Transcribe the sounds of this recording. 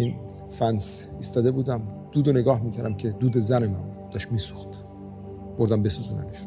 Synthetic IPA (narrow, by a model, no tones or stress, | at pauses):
ʔin | fæns | iːst̪ɒːd̪e̞buːd̪æmd̪̥uːd̪one̞ɡɒːhmiːcʰæɾd̪æmcʰe̞d̪uːd̪ezæne̞mænd̪̥ɒːʃmiːsu̥xt̪ | b̥oɾd̪æmbesuzuːnæ̰meʃ